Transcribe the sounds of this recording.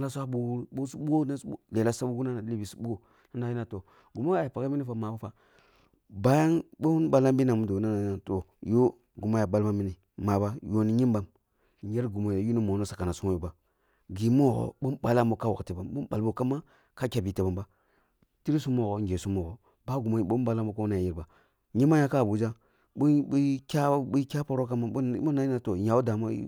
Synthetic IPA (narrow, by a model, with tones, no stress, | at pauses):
la˦sʷa˦bu˨˦ɓo˦su˦bu˦o˦na˦le˨la˦sa˦bu˦ɡu˦na˦na˨li˦bi˨su˦bu˦o˦ | na˦na˨˦ji˦na˨to˨ | ɡu˨ma˦a˨˦a˨pa˨ka˦mi˦ni˦fa˨ma˨ba˦fa˨ | ba˦ja˦nɓo˦n˦ɓa˦la˦mbi˦na˨mu˦do˨˦na˦na˨˦na˨to˨jo˦ | ɡu˨ma˦ja˨ba˦lma˦mi˦ni˨ | ma˨ba˦jo˦ni˦ɲi˦mba˨m˨˦ | e˦ɾɡu˨mo˨ja˨ju˦ni˦mo˨no˦sa˨ka˨na˨su˦mo˦jo˨ba˨ | ɡi˨mo˦˨ɣo̰˨ɓo˦mɓa˨la˦˨m˦bo˦ka˦wo̰˨kte˨ba˨mbo˦ɓa˨lbo˦ka˦mːa˦ | ka˦kʲa˨bi˨te˨ba˨mba˦ | ti˦ɾi˦su˦mːo˦˨ɣo˨ŋ˨e˨su˦mːo˨ɡo˨ | ba˦ɡu˨mo˨i˨ɓo˦ba˨la˦m˦o˦ka˦u˦a˨ja˨ji˦ɾba˨ | ɲi˦m˦a˦ja˦ka˦˨bu˨d͡ʒa˦ | bu˦i˦kʲa˦i˦kʲa˦po˨˦ɾo˦ka˦ma˦o˦na˦a˨to˨ja˨wo˦da˨ma̰˦